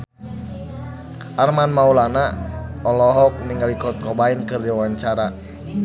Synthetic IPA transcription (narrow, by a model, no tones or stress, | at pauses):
ʔarmanmaulanaɔlɔɦɔk̚niŋɡalikɔrt̪̚kɔbainkɨrdiawaɲt͡ʃaɾa